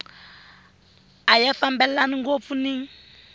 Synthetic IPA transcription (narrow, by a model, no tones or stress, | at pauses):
ajɛfambɛlaniŋɡop̪funi